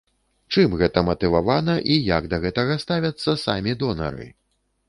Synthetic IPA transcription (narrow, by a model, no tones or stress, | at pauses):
t͡ʂɨmɣɛt̪ɐmɐt̪ɨvavanɐʔijaɡd̪ɐɣɛt̪ɐɣɐst̪avʲɐt̪sːɐsa̰mʲid̪ɔnɐ̰ɾɨ̰